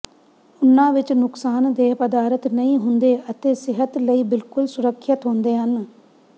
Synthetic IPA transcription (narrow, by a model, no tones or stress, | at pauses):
ʊnːãːʋɪt͡ʃnʊksaːnd̪eːɦpəd̪aːɾət̪nəĩːɦʊnd̪eːʔət̪eːsɪɦət̪ləiːbɪlkʊlsʊɾəkʰːət̪ɦʊ̃nd̪eːɦən